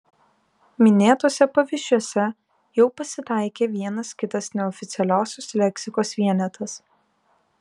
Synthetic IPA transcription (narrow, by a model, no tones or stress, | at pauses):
mʲɪnʲeːt̪oːsʲɛpɐʋʲɪʃʲuɔsʲɛ | jɛʊpɐsʲɪt̪ɑˑɪkʲeːʋʲiɛnɐskʲɪt̪ɐsnʲɛɔfʲɪt̪sʲɛlʲæˑʊsʲoslʲɛkʲsʲɪkoːsʋʲiɛnʲɛt̪ʰɐs